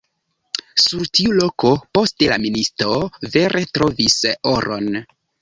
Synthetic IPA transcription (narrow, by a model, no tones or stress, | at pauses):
suɾtiulo̞ko̞po̞stela̰ministɾove̞ɾe̞tɾo̞visoɾʔo̞̰n